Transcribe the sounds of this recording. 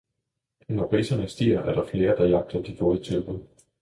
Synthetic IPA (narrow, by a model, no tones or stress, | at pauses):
nɒpʰʁḭːsɐnəsd̥iːɐʔæɐɾ̥ɑ̈fle̝ːɐd̥ɑ̈jɑ̈ɡ̥̚d̥ɐd̥ifɔ̽ːðˠət͡sʰølb̥əð̩ˠ